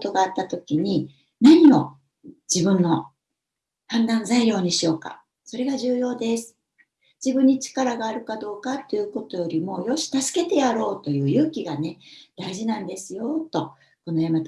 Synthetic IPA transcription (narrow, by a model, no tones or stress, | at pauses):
t̪o̞ɡaːt̪ːat̪o̞kʲiɲ̟i | naɲ̟imo̞ | d͡ʑibɯ̟̃nːo̞ | hãnd̪ãñzaiɾʲo̞ːɲ̟iɕio̞ːka̰ | so̞ɾe̞ɡaʑɨːjo̞ːd̪e̞sɨ̥ | d͡ʑibɯ̟̃ɲ̟ːit͡ɕi̥kaɾaɡaːɾɯ̟kad̪o̞ːkat̪ːe̞jɯ̟ko̞t̪o̞jo̞ɾʲimo̞ːjo̞ɕi̥t̪asɨ̥ke̞t̪e̞jaɾo̞ːt̪o̞jɯ̟ːjɯ̟ːkʲiɡane̞d̪̥aiʑinãnd̪e̞sɨjo̞t̪o̞ | ko̞no̞jamat̪